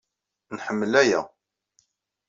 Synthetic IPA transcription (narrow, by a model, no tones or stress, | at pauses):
nħəmːəlæjæ̰